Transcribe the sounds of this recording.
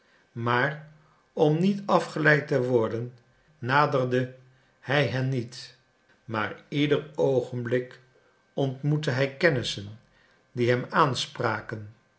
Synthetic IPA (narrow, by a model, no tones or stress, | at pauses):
maːr | ɔmnitɑfχəlɛjtəʋɔɹdənː | aːdərdə | hɛjɦɛnːit | ma̰ːɹidərowχənblɪk | ɔntmutəɦɛjkɛnɪsən | diɦɛmaːnspraːkən